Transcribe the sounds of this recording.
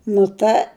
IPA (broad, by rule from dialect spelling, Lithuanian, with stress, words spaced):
nʊ ˈtɐ